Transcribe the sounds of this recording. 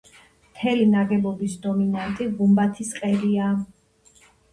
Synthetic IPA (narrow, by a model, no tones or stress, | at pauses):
mt̪ʰɛlinaɡɛbɔbisd̪ɔminant̪ʼiɡumbat̪ʰisqʼɛɾia